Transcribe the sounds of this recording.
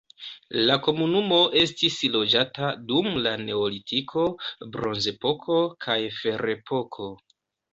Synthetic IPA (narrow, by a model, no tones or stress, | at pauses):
lako̞munumo̞ʔe̞stislo̞d͡ʒatadumlane̞olitʰikʰo̞bɾo̞nze̞po̞kʰo̞kʰajfe̞ɾe̞pʰo̞kʰo̞